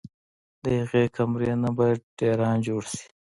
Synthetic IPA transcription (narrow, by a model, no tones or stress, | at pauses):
d̪əhaɣekʰamɾenabɑjad̪̚ɖeɾɑːnd͡ʒoːɽsi̥